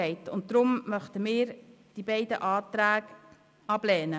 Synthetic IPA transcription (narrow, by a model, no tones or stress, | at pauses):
ɛɪtʊ̰nt̚d̪ɾʊmmœχtəmɪːɾd̥ibɛɪdə̰ʔɑːtɾæːɡ | ɑblɛːnə